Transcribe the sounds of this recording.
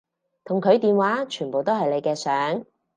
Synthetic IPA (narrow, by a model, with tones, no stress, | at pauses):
t̪ʰʊ˨˩ŋkʰɵ˨˧ɥt̪iː˨nwaː˨˥t͡ʃʰyː˨˩npo˨wt̪o˥whɐ˨jle˨˧jkɛː˧sœː˨˥ŋ